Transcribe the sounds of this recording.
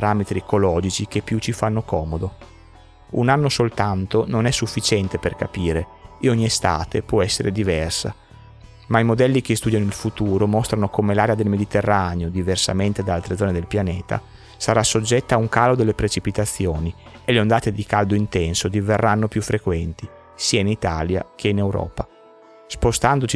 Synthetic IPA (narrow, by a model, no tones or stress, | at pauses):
ɾamet̪ɾiekolɔːd͡ʒit͡ʃik̟epːjut͡ʃifanːokɔːmod̪o | unanːosolt̪ant̪ononɛsːufːit͡ʃɛnt̪eperkapiːɾe | ɔɲːiest̪a̰ːt̪epwɔɛsːeɾed̪ivɛrsa̰ | maimod̪ɛlːik̟est̪ud̪janoilfut̪uːɾomɔst̪ɾanokomelaːɾead̪elmed̪it̪erːaːneod̪iversa̰ment̪ed̪aalt̪ɾed̪zɔːned̪elpjaneːt̪a̰ | saɾasod͡ʒːɛt̪ːaːuŋkaːlod̪elːepɾet͡ʃipit̪at̪sːjoːnieleond̪aːt̪ed̪ikald̪oint̪ɛnsod̪iverːanːopjufːɾekwɛnt̪i | siːainit̪aːlja̰k̟einewɾɔ̰ːpa | spost̪and̪ot͡ʃi